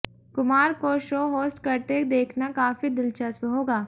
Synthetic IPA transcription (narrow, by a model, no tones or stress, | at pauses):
kʊmaːɾkoʃoːɦoːsʈkɐɾt̪ed̪eːkʰnakaːfid̪ɪlt͡ʃɐswɦoːɡaː